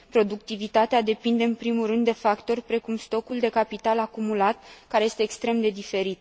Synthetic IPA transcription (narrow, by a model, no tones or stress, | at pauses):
pɾo̞d̪uk̚t̪ivit̪at̪ead̪e̞pind̪e̞ɨnpɾimulrɨnd̪ːe̞fakt̪o̞rʲpɾe̞kumst̪o̞kuld̪e̞kapit̪alakumulat̪̚kaɾeje̞st̪eːkst̪ɾe̞md̪e̞d̪ife̞ɾit̪